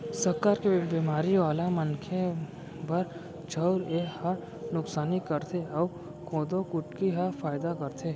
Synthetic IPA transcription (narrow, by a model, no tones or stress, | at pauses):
səɾkaːɾkebimaːɾiʋaːlaməŋkʰe | bɐɾ | t͡ʃʰəʊɾeha | nʊksaːnɪkkəɾt̪ʰeɔː | kʰoːd̪okʊʈkiɦafaːɪd̪akɐɾt̪ʰeː